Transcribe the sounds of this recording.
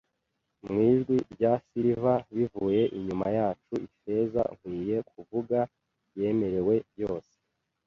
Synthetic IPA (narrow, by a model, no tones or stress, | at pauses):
mŋiːʒɡwiɾɟasiɾivaβivuje̞ʔiɲumajaːt͡ʃuife̞za̰ŋ̥wiːje̞k̚uvuɡa | je̞me̞ɾe̞we̞βjo̞ːse̥